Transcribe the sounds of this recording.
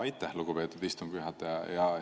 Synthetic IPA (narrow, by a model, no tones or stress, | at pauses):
ɑjt̪ːˑæhluɡ̥upe̞ːt̪ːud̪ist̪umkyɦɑt̪ːˑjɑjɑ